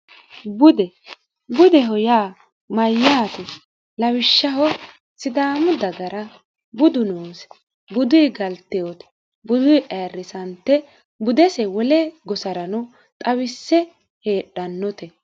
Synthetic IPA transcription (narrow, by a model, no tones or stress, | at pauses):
bʊd̪ɛ | bʊd̪ɛɦɔjaː | mɐjːaːt̪ɛ | lɐwɪʃːɐɦɔ | sɪd̪aːmʊd̪ɐɡɐɾɐ | bʊd̪ʊnoːs | bʊd̪ʊjɡɐlt̪ːɛjɔt̪ɛ̥ | bʊd̪ʊjʔeːrːɪsɐnt̪ːɛ | bʊd̪ɛsɛwɔlɛɡɔsɐɾɐnʊ | t̪ʼɐwɪsːɛ | heːɗːɐnːɔt̪ɛ